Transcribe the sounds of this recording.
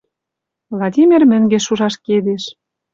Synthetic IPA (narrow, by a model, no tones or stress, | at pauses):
vlˠɑdʲimʲermɘ̆ŋɡeʃuʒɑʃked̪eʃ